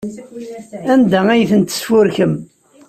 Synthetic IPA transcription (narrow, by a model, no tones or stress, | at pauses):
ænd̪ææjθənt̪ːə̥sfʊɾçəm